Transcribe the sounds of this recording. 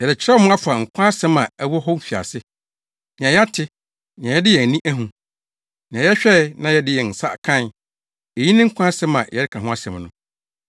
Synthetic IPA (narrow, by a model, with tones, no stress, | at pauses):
jɛ˨dɪ˨t͡ɕʰɾɛ˦mʊ̃˦a˦fa˨ŋ̩˨kʷʰã˦sɛ̃˦mã˨æ˦wɔ˦ɦɔ˦m̩˦fi˨a̰˨sɪ˦ | nĩ˨ã˨jɛ˦a˦tʰɪ˦ | nɪ̃˨ã˨jɛ˦dɪ˦jɛ˨nĩ˦ʔæ˦ɦũ˨ | nĩ˨ã˨jɛ˦ɕᶣɛ˦˨nã˦jɛ˦dɪ˦jɛ˨n̩˨sa̰˦˨kʰã˦n˨ | e˨jĩ˦nɪ̃˦ŋ̩˦kʷʰã˦a˦sɛ̃˦mã˨jɛ˦dɪ˦kʰa˨ɦʊ̃˦a˦sɛ̃˨mnʊ̰̃˦